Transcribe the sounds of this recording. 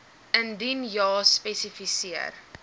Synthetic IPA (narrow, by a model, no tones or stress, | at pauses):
əndinjɑːspɛsifisiə̰r